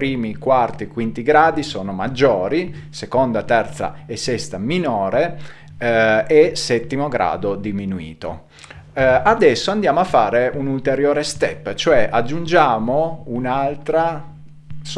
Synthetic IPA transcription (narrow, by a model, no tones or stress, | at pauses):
pɾiːmikwart̪ikwint̪iɡɾaːd̪isoːnomad͡ʒːoːɾisekond̪at̪ɛrt̪sa̰esːɛst̪aminoːɾe | ʔesɛt̪ːimoɡɾa̰ːd̪od̪iminuḭːt̪o̰ | ad̪ɛsːoand̪jaːmoafːaːɾeunult̪eɾjoːɾest̪ɛpːt͡ʃoɛʔad͡ʒːund͡ʒaːmounalt̪ɾa | s